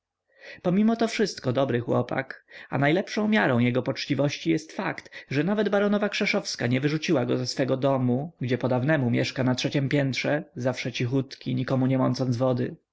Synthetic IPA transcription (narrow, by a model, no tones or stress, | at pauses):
pɔmʲimɔt̪ɔfʂɘst̪kɔd̪ɔbɾɘxwɔ̰pa̰ka̰najlɛpʂɔ̃w̃mʲjaɾɔ̃w̃jɛɡɔpɔt͡ʂt͡ɕivɔɕt͡ɕijɛst̪fakt̪ʐɛnavɛd̪baɾɔnɔvakʂɛʂɔfskaɲɛvɘʐut͡ɕiwaɡɔzɛsfɛɡɔd̪ɔmuɡd͡ʑɛpɔd̪avnɛmumʲjɛʂkanatʂɛt͡ɕɛmpʲjɛnt̪ʂɛzafʂɛt͡ɕixut̪kʲiɲikɔmuɲɛmɔnt̪sɔnzvɔd̪ɘ̰